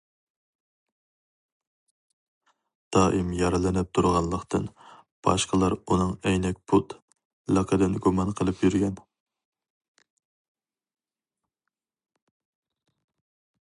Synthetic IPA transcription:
d̪̥ɑʔimjɑɾɨlɪnɪp̚t̪ʰuɾʁɑnlˠəqt̪ʰɨnb̥ɑ̰ʃqəlˠɑɾunɨŋɛjnɛkʲpʰut̪ | lɑqʰəd̪ɨnɡumɑnqʰəlˠɨpjyɾɡʲɛn

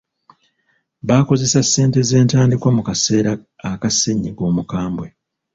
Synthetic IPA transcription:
βaːko̞ze̞sasːe̞ːnte̞ze̞ːntaːndikwamukase̞ːɾaː | kaseɲːiɡo̞ːmukaːmbwe

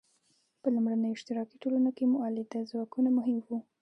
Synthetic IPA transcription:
pəlumɽanəjoɪʃt̪ɪɾɑkiʈolunokemʊʔɑlɪd̪azwɑkunamʊɦɪmwu

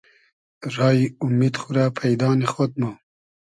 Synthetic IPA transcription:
ɾɑːjiumid̪xuɾapʰajd̪ɑːnexot̪̚mu

